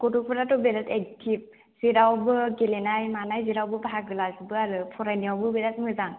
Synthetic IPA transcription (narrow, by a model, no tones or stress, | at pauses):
ɡ̥ɔtupʰɔɾatɔbelatektʰip̚ | z̥iɾawbɯɡelenajmanajziɾawbɯbɦaɡɯlasbɯaɾɯpʰɔɾajniawbɯbelat̚mɯzaŋ